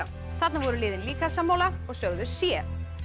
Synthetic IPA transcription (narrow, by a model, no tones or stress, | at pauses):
θat̪navɔɾʏlɪːðɪnliːkasamːawlaɾɔɣsœɣðʏsjɛ